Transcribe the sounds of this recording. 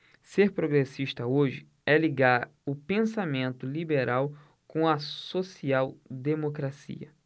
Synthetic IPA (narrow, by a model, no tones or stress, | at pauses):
seɾpɾoɡɾesiʃt̪ɐoʒɪ | ɛliɡaɾ | ʊpẽsamẽnt̪ʊlibeɾaw | kõɐsosiawd̪emokɾasḭɐ̰